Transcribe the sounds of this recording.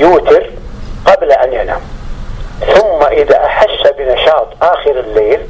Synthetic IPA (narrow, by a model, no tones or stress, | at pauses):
juːt̪ɪɾ | qɑblaʔanjana̰ːm | θʊmːaʔɪða̰ʔaħaʃːabɪnɑʃɑːt̪ˤʔaːxɪɾɪlːeːl